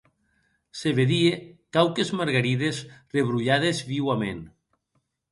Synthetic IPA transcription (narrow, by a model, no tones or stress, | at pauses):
seβeðiekawkezmaɾɣaɾiðezreβɾuʎaðezβiwamḛn